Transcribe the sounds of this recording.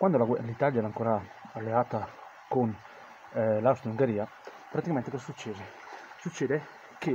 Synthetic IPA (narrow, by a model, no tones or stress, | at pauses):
kwand̪olaɡlit̪aljaɛɾaŋkoːɾaalːeaːt̪a | kon | lawst̪euŋɡeɾiːa | pɾat̪ikament̪ekɔzasut͡ʃːeːze | sut͡ʃːɛːd̪e | ke